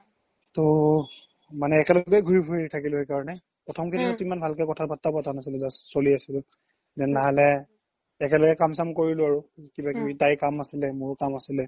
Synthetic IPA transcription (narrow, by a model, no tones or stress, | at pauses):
tɔ | manɛːkɛlɔkɛɡʱuɹibʰʱuitʰakilʊɦejkaɹɔnɛ | pɹɔtʰɔmkʰiniatimanbʱalkɛkɔtʰabatːapatanasilɛzasoliasilʊ | zɛnnaɦalɛ | ɛkɛlɔɡɛkamsamkoɹilʊaɹʊkibakitajkamasilɛmʊɹkamasilɛ